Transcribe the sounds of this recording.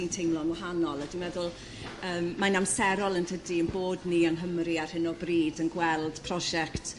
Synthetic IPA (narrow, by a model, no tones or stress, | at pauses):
intʰejmlˠɔnwaɦanɔlˠadimɛðʊlˠ | əːmːanamsɛɾɔlˠəntʰədiənboːdniənɦəmɾiar̥hɪnɔbriːdənɡwɛlˠd̥pʰrɔʒɛkt